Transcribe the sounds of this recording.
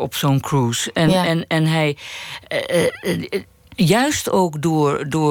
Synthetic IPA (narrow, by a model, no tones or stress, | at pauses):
ɔpsonkruːsɛnɛnɛnɦɛj | jœɥstowkdʊːɹdʊː